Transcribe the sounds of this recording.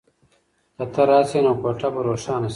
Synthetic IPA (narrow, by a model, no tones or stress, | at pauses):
d̪ɐt̪ʰɐɾaːsenoːkoːʈɐbɐɾoːʂaːnɐs